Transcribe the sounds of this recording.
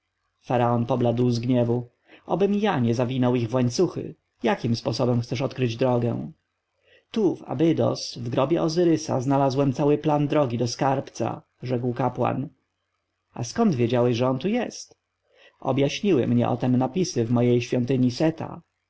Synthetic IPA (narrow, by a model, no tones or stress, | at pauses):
faɾaɔnpɔblad̪wzɡɲɛvu | ʔɔbɘmjaɲɛzavʲinɔwiɣvwaɲt̪suxɘ̰ | jakʲimspɔsɔbɛmxtsɛʂɔt̪kɾɘd͡ʑd̪ɾɔɡɛ̰w̃ | t̪uva̰bɘd̪ɔ̰svɡɾɔbʲjɛ̰ʔɔzɘɾɘsa̰znalazwɛmt̪sawɘpland̪ɾɔɡʲid̪ɔskaɾpt̪sa̰ | ʐɛkwkapwa̰n | a̰skɔnd̪vʲjed͡ʑawɛɕʐɛɔnt̪ujɛst̪ | ɔ̰bjaɕɲiwɘ̰mɲɛ̰ʔɔ̰t̪ɛmnapʲisɘvmɔjejɕfʲjɔnt̪ɘɲisɛt̪a̰